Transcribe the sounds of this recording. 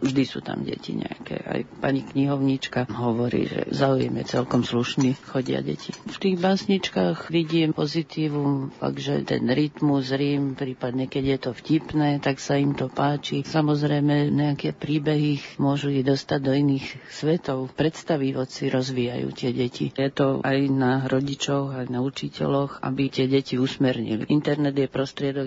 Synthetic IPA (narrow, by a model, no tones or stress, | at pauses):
vʒd̪isṵːt̪a̰mɟɛ̰cḭɲɛ̰a̰kɛ̰ːʔa̰jpa̰ɲikɲiɦɔʊɲit͡ʃkaɦɔʋɔɾḭːʒɛ̰zaujɛmjɛ̰t͡sɛlkɔmsluʃnixɔɟɪa̰ɟɛ̰cʰift̪iːɣbaːsɲit͡ʃkaːxʋiɟiːmpɔzit̪iːʋumfa̰ɡʒɛ̰t̪ɛ̰nɾit̪muzɾiːmpɾiːpad̪ɲɛkɛɟjɛt̪ɔfcipnɛːt̪aksaimt̪ɔpaːt͡ʃisamɔzɾɛjmɛɲɛakɛpɾiːbɛɦimʊɔʒuiɣd̪ɔst̪aɟd̪ɔiniːxsʋɛt̪ɔʊpɾɛt̪st̪aʋiʋɔt͡siɾɔzʋiːja̰jṵːt̪ɪɛɟɛcḭjɛt̪ɔajnaɾɔɟit͡ʃɔɣajnaut͡ʃicɛ̰lɔxa̰bit̪ɪɛɟɛciusmɛɾɲḭlḭʔint̪ɛɾnɛd̪jɛpɾɔst̪ɾɪɛd̪ɔk